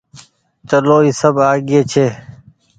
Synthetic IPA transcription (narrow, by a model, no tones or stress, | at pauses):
t͡ʃəloːiːsəbaːɡeːt͡ʃʰeː